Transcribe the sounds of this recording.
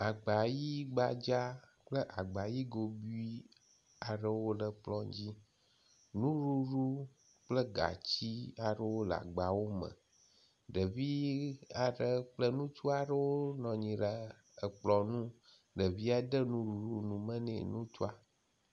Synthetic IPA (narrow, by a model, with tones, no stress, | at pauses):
a˨ɡ͡ba˨ji˦ɡ͡ba˨d͡ʒa˦ | k͡plə˦ʔa˨ɡ͡ba˨ji˦ɡo˨bi˦i˦ | a˨ɖə˦wo˦lə˨k͡plɔ̃˦ɲd͡ʑi˦ | nũ˦ɾu˦ɾu˦ | k͡plə˦ɡa̰˨t͡ɕi˦a˨ɖə˦wo˦la̰˨ɡ͡ba˨wo˦mə̰̃˨ | ɖə˨vi˦a˨ɖə˦k͡plə˦nũ˦t͡ʃu˦a˨ɖə˦wo˦nɔ̃˨ɲĩ˨ɖa˨ | ə˨k͡plɔ˨nũ˦ | ɖə˨vi˦a˦ɖə˦nũ˦ɾu˨ɾu˦nũ˨mə̃˦nɛ̰̃˨nũ˦t͡ʃu˦a˦